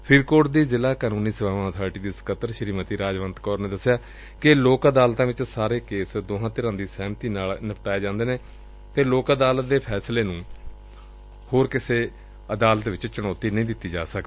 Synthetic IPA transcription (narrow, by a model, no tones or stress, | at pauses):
pʰɪɾkoːʈd̪iːzɪlaːkaːnũːniːsəʋaːʋãːət̪ʰaːɾʈiːd̪iːsə̥kət̪ːəɾʃəɾiːmət̪iːɾaːd͡ʒʋənt̪kɔːɾneːd̪əsːɪjaː | kɪloːkəd̪aːlt̪ãːʋɪt͡ʃsaːɾeːkeːsd̪oːɦãːt̪ɪɾãːd̪iːsɛːmt̪iːnaːlnɪpʈaːeːd͡ʒãːnd̪eːneː | t̪eːloːkəd̪aːlət̪̚d̪eːpʰɛːsleːnũː | hoːɾkɪseː | əd̪aːlət̪ʋɪt͡ʃt͡ʃʊɽ̃ɔːt̪iːnəĩːd̪ɪt̪ːiːd͡ʒa̰ːsək̪ː